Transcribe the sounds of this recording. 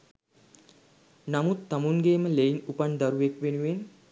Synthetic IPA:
namut̪ːamuŋɡeːməleinupand̪aɾuʋekʋenuʋen

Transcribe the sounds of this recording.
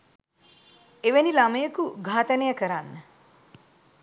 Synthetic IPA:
eʋenilaməjəkuɡʱaːt̪ənəjəkəɾanːə

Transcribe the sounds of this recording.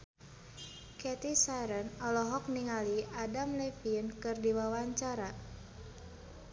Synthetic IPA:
kɛt̪isaɾənɔlɔɦɔk̚niŋaliadamlɛfinkɨrdiwawaɲt͡ʃaɾa

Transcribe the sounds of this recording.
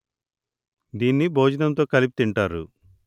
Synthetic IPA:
d̪iːnːibʱoːd͡ʒɐnɐmt̪o̞ːkɐlipi̥t̪iɳʈaːɾṵ

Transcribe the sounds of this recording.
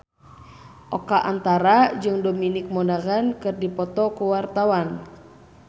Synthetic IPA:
ʔɔkaʔant̪aɾad͡ʒɨŋdominik̚mɔnaɣankɨrdipɔt̪ɔkuwart̪awan

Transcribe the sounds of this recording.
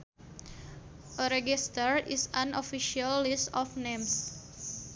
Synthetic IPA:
ʔəɾeɡist̪əɾisanofiʃialːisɔfnems

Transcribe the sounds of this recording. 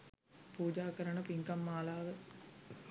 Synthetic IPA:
puːd͡ʒaːkəɾəɳəpiŋkɐmːaːlaːʋə

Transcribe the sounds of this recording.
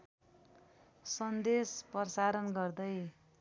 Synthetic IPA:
sʌnd̪espʌrsaɾʌnɡʌrd̪ʌj

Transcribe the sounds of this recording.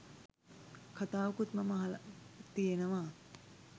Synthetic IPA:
kʰɐt̪aːʋkut̪mɐmɐɦɐlɐt̪ijenɐʋaː

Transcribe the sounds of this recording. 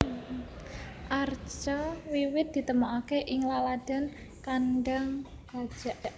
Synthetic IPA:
ʔart͡ʃawiwɪt̪̚d̪̥i̤t̪əmaʔakeʔɪŋlalad̪̥a̤n | kanɖəŋ | ɡ̥ḁd͡ʒ̥a

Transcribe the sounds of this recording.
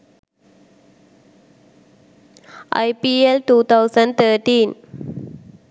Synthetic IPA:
ʔa̰jpielt̪ut̪awsə̃nt̪ətĩn

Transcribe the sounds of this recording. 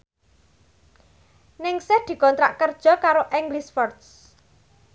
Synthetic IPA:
nɪŋsɛhd̪̥i̤kɔnt̪ɾa̰ʔkərd̥ʒ̥ɔ̤kaɾoʔɛŋɡlisfɔrt̪s

